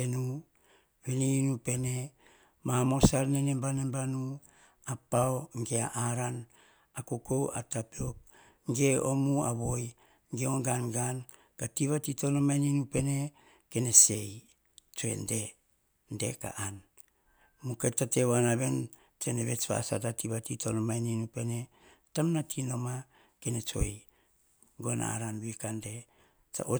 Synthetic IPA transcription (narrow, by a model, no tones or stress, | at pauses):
enu | βeninupe̞ne̞ | mamo̞salnenembanembanu | apaoŋɡea̰ʔaɾan | akukowa̰tapiok̚ | ŋɡe̞omua̰βo̞j | ŋɡeoŋɡanɡan | katiβatito̞nomaninupe̞ne̞ | ke̞ne̞se̞j | t͡ʃoḛnde̞ | nde̞ka̰ʔan | muketatewanaβe̞n | teneβe̞t͡ʃβa̰sa̰tatiβatitonomajninupe̞ne̞ | tamnatʰino̞ma | kenet͡ʃo̰j | ɡona̰ɾanbuikande̞ | t͡ʃa̰ʔo